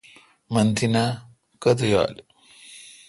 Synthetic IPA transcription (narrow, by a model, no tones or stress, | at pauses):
mɐnt̪ʰina | kɐt̪ʰja̰ːl